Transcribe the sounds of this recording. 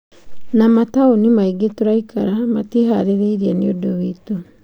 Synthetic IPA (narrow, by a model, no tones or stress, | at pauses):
namataonimaiɡetoɾaikaɾamatiɦaɾeɾeiɾianiodoβito